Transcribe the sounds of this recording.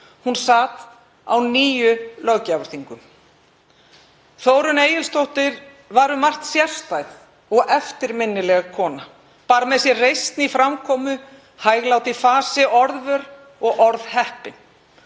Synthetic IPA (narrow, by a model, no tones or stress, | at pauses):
hunsaːt̪ | a̰wniːjʏlœɣcavʏɾ̥θiŋkʏm | θoːwɾʏneːjɪlst̪owht̪ɪɾ | vaɾʏmar̥t̪sjɛr̥st̪ajθ | ɔɣʔɛft̪ɪɾmɪnːɪlɛɣakʰɔːna | paːɾamɛðsjɛrejst̪nifɾamkʰɔːmʏ | hajɣlawt̪ɪfaːsɪʔɔɾðvœɾ | ɔɣʔɔɾðhɛhpɪn